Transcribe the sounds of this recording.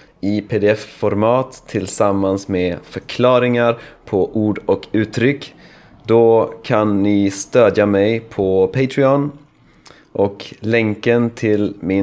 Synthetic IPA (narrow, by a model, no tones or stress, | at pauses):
ɪpʰeːd̪ɛɛfːɔɾmɑːt̪ʰːɪlsamːansmeːfœɾkʰlɑːɾɪŋaɾpʰɔʔuːɖɔkʉ̟ːt̪ʰːɾʏkː | d̪ɔkʰanːɪst̪øːd̪jamɛjpʰɔpʰɛɪt̪ʰɾɪɔn | ʔɔklɛŋkənt̪ʰɪlmɪ